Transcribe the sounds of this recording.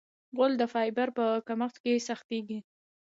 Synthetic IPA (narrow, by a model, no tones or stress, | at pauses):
ɣʊld̪əfɑjbaɾpəkamaxt̪kesaxt̪eɡi